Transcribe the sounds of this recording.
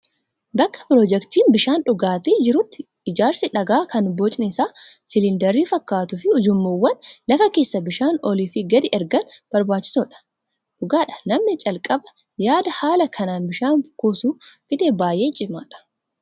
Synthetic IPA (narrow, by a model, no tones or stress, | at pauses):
bɐkːɐ̥pɾɔd͡ʒɛkt̪iːnbɪʃaːnᶑʊɡaːt̪eːd͡ʒɪɾʊt̪ːɪ | ɪd͡ʒaːɾsɪᶑɐɡaːkɐnbɔt͡ʃʼnɪɪsaːsɪlɪnd̪ɐɾiːfɐkːaːt̪ʊfɪʊd͡ʒʊmːowːɐnlɐfɐke̞ːsːɐbɪʃaːnɔliːfɪɡɐd̪ɪʔɛɾɡɐnb̥ɐɾbaːt͡ʃːɪ̥soːᶑɐ̥ | ᶑʊɡaːᶑɐ̥nɐmnɪt͡ʃʼɐlkʼɐbɐ | jaːd̪ɐhaːlɐkʰɐnaːnbɪʃaːnkoːsuːfɪd̪ebaːje̞ːt͡ʃʼɪmaːᶑɐ̥